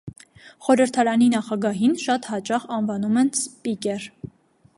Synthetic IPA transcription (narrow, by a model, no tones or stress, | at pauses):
χɔɾəɾt̪ʰɑɾɑninɑχɑɡɑɦinʃɑt̪hɑt͡ʃɑχɑnvɑnumɛnspikɛr